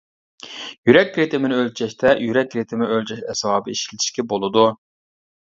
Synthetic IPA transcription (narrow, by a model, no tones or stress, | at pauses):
jyɾɛk̚ʲɾet̪ʰɪmɪnɪølt͡ʃʰɛʃt̪ʰɛjyɾɛk̚ʲɾet̪ʰɪmɪnɪølʲt͡ʃʰɛʃɛswɑːbɨiʃilɪt̪ʰi̥ʃkʲɛbolˠɨd̪u